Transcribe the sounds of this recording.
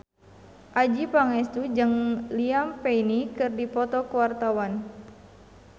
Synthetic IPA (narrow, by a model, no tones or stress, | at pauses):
ʔad͡ʒipaŋɛst̪ud͡ʒɨŋliampeinikɨrdipɔt̪ɔkəwart̪awan